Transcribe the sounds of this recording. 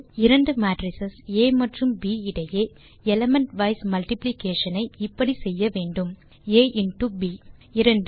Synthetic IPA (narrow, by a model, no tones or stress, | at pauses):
ɪɾɐɳɖɯmaːʈɾɪsɐseːmɐʈrɯmbiːɪɽɐjeː | ɛlɐmɛɳʈʋɐɪsmɐlʈɪplɪkeːʂɐnɐɪɪpːɐɽisɛjːɐʋeːɳɖɯm | eːʔɪnʈubiːɪɾɐɳɖ